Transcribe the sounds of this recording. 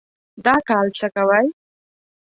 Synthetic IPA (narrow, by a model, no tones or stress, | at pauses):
d̪akalt͡sakawaj